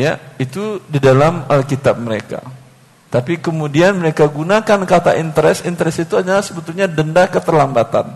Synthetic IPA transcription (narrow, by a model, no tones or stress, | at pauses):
ja̰it̪udidalamalkit̪ap̚məɾeka̰ | t̪apikəmudianməɾekaɡunakankat̪a̰ʔint̪əɾɛsint̪əɾɛsit̪uɦadalahsəbət̪ulɲadəndakət̪ərlambat̪a̰n